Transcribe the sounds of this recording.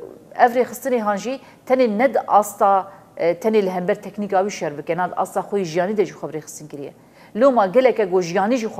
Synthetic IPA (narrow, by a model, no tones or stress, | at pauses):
ɛvrexɨst̪ɨneɦɑːnʒi | t̪ʰɛnenɛd̪ɨʔɑːst̪ɑː | t̪ʰɛneːlɨɦɛmbɛɾt̪ʰɛknikɑːwiːʃɛɾbɨkɛnɑːd̪ʔɑ̰ːst̪ɑːxʷɛjiʒijɑːnid̪ɛʒixʷɛbɾeːxɨ̥st̪ɨnkɨɾijɛ̰ | loːmɑɡɛlɛkɛɡoʒijɑːniʒixʷ